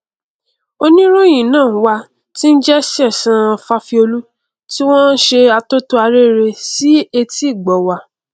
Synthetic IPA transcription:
o˧nĩ˦ɾo˦j̃ĩ˨nãː˦˨˦wa˧ | ti˦n̩˦d͡ʒɛ˦si˦ɛ˦˨sã˦˨˧fa˧fi˧o˧lu˦ | ti˦w̃ɔ̃˦n˦ʃe˧a˧to˦to˦a˧ɾe˦˨ɾe˧si˦e˧ti˦˨ɡ͡bɔ˨wa˧˨

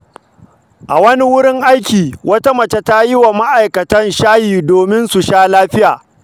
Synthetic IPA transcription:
ʔa̰˨wɐ˦ni˦wʊ˦ɽɪ˦ŋʔa˦jkʲiː˨wʔɐ˦ta˦mɐ˨t͡ʃe˦ta˦jɪ˦wa˨ma˦ʔa˨jkɐ˨tɐ˦nʃaː˦hiː˨doː˨mɪ˦nsu˨ʃaː˦laː˦ɸɪ˦jaː˨

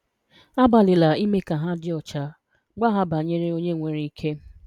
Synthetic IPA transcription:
a˦ba˨lɪ˨la˨i˦me˦ka˨ɦa˦dɪ˦ɔ˨t͡ʃa˨ | ɡ͡ba˦ɦa˦ba˨ɲe˦ɾe˦o˦ɲe˦˨ŋʷe˨ɾi˦i˦kʰe˦

